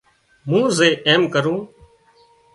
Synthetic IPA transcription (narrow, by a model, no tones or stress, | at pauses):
mũːzeːʔeːmkəɾũː